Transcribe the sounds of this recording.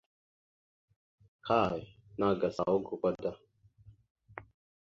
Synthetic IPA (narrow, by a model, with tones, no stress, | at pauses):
kʰa˦˨e˨ | na˦˨ɡa˨sa̰˨wo˦ɡu˨kʷa˦da˦